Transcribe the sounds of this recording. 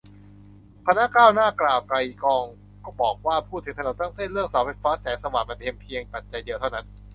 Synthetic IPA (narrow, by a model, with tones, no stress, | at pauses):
pʰa˧na˦˥kaː˥˩wnaː˥˩klaː˨˩wka˧jkɔː˧ŋ | kɔː˥˩bɔː˨˩k̚waː˥˩pʰuː˥˩t̪ʰːɯ˩˦ŋt̪ʰno˨˩˦t̪aː˥˩ŋse˥˩nɾɯ˥˩əŋsa˨˩˦wfʰa˧˥jfaː˦˥sɛː˩˦ŋsa˧waː˨˩ma˧npʰe˧mpʰi˧əŋpa˨˩t̪̚t͡ɕa˧jdi˧əwt̪ʰa˥˩wna˦˥n